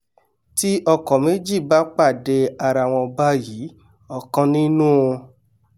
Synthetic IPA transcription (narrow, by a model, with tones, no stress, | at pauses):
ti˦ʔɔ˧kɔ̃˨me˨˦d͡ʒi˦˨ba˦k͡pa˦˨de˧a˧ɾa˨w̃ɔ̃˧ba˦ji˨˦ | ɔ˨kã˧nĩ˦nũ˦˧